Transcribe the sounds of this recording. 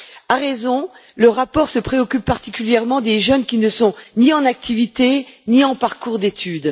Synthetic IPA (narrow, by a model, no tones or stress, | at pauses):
aʁezɔ̃ | ləʁapɔʁsəpχeɔkʲypːaʁt̪ikʲyljɛʁmɑ̃d̪eʒœnkʲinəsɔ̃niɑ̃nak̚t̪ʰivit̪eniɑ̃paʁkuʁd̪et̪ʰyd̪